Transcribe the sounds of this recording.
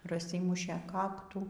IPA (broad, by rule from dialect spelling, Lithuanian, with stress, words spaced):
prɐˈsʲiːmʊʃʲeː ˈkɑːktuː